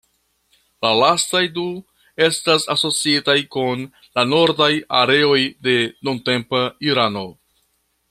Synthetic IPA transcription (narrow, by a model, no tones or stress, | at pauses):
lalastajdu | e̞stasaso̞t͡siitajkun | lano̞ɾdaja̰ɾe̞o̞jde̞nunte̞mpaiɾano̞